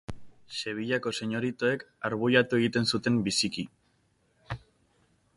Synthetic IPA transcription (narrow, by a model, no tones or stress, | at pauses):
se̞β̞iʎako̞se̞ɲo̞ɾit̪o̞e̞kaɾβujat̪ue̞ɣ̞it̪e̞nsut̪e̞mbisiki